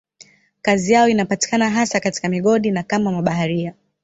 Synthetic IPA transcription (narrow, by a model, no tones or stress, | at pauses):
kazijaɔinapati̥kanaɦasakati̥kamiɠɔɗinakamamaɓaɦaɾia